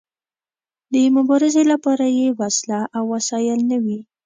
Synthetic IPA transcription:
d̪əmʊbɑɾɪzelapɑɾajewaslaʔawːasɑjɪlnəwi

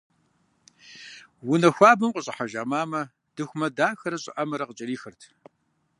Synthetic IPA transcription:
wʊnɐxʷaːbɨmqʷʼʊɕʼɐħaʒaːmaːmɐ | d̥ɨxʷmɐdaːxɐɾɐɕʼɪ̰ʔɐmɐɾɐqət͡ʃʼɐɾiːxɐrtʰ

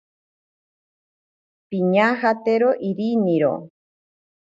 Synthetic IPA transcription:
piɲahat̪eɾoʔiɾiniɾo̰

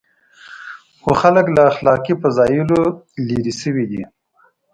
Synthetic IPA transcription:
xoxaləklaːxlɑːkipəzɑjulo | liɾisəwid̪i

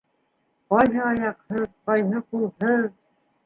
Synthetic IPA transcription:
qɑjɦɤɑjɑqhɤðqɑjɦɤqulˠhɤð

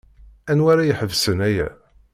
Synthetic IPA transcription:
ænwaɾajəħəvsənæjæ̰

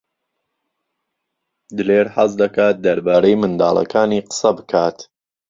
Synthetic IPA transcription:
d̪ɨleːɾhɐz̬d̪ɐkaːt̪̚d̪ɐɾbaːɾejmɨnd̪a̰ːlˠɐ̰kʰaːniːqə̥sɐbɨkʰaːt̪

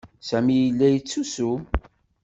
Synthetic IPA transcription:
sæmijəlːæjət͡sːusu

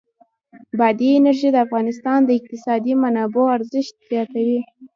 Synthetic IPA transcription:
bad̪iːnaɾʒid̪əafɣɑnɪst̪ɑnd̪əɪq̚t̪ɪsɑd̪imanɑboaɾzɪʃt̪̚z̥jɑt̪awi

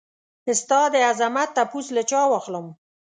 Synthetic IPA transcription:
ɪst̪ɑd̪əazamat̪ːapuslət͡ʃɑwɑxləm

